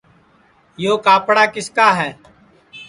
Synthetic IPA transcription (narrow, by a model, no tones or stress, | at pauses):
joːkaːpɽaːkɪskaːɦɛː